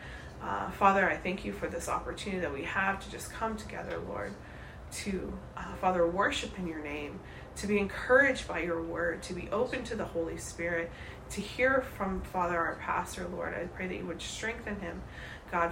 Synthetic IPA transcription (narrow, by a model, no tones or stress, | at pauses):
fɑðə˞aɪθæ̃ŋkʰjɨfə˞ðɪsɑ̰pə˞tʰʉnɨɾiðɨt̚wiəv̥tʰɨd͡ʒʌskʰʌ̃mtʰɨɡɛ̰ðə̰˞lɔ̰ɹd̚ | tʰɨ | fɑðə˞wɜ˞ʃɨpɨ̃njə˞nẽɪ̃m | tʰɨbiɨ̃nkʰɜ˞ɨd͡ʒbaɪjə˞wɜ˞d̚tʰɨbiʔoʊpɨ̃ntʰɨðəhoʊlˠispɪɹɪtʰ | ɨhiɹfɹʌ̃ɱfɑðə˞aə˞pʰæ̰stə˞lɔ̰ɹɾa̰ɪpʰɹ̥eɪðɨ̰t͡ʃɨ̰wɨd̥stɹ̥ɛ̃ŋk̚θɨ̃nɪ̃m | ɡ̥ɑ